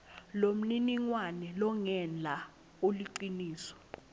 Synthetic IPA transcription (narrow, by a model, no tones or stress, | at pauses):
lom̩niniŋwanɛlɔŋɛnd͡ɮʱa | uliǀiniːsɔ̥